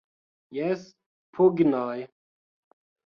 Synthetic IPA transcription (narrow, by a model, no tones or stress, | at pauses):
jɛs | pʰuɡinɔj